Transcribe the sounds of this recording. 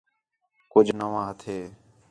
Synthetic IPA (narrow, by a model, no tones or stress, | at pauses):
kʊd͡ʒʱnəʋãːɦət̪ʰeː